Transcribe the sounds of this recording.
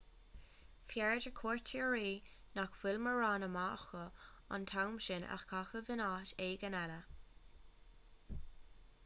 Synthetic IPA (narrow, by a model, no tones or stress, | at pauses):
fjɛɹd͡ʒəkʰɔːɹtʰiɹiːnakwɪlməɹaːnəmaːxəa̰nt̪ʰawmʃɪna̰xkʰaxəvɪnaʃeːɡənɛlə